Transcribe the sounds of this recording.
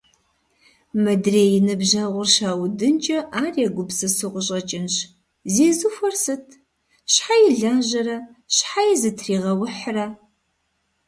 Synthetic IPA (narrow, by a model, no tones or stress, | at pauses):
mɐdreːjɪnɨbʑɐʁʷʊrʃaːwdɨnt͡ʃʼɐʔaːriɐɡʷʊbsɨsɨʁʷʊɕʼɐt͡ʃʼɪnɕ | zeːzufɐrsɨtʰ | ɕħajɪɮanʑɐɾɐɕħajɛzɨtʰriːʁɐwʊħrɐ